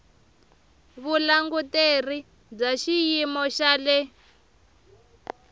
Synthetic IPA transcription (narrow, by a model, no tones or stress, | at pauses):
βulaŋɡuteri | d͡zaʃijimɔʃalɛ